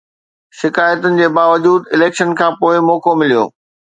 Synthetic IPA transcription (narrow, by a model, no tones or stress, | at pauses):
ʃɪkaːjət̪ʊnɪ̆d͡ʑeːbaːʋɐd͡ʑuːd̪ɪleːkʃənkʰãːpoːɪmɔːkomɪlijo̰ː